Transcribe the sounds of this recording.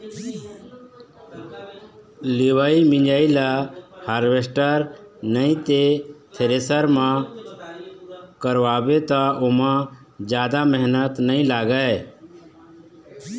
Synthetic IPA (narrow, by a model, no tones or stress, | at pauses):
leʋaːimɪ̃ɲd͡ʒaːilahaːɾʋesʈəɾnəĩt̪et̪ʰeɾeːsəɾmã | kəɾʋaːbet̪aʔʊmã | d͡ʒjaːd̪aməɦnət̪nəĩlaːɡəe